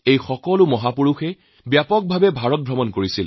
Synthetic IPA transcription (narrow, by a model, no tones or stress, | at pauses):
ejxɔkɔlʊmɔɦapuɹuxɛ | bjapɔk̚bʱabɛbʱaɹɔt̚bʱɹɔmɔnkoɹisil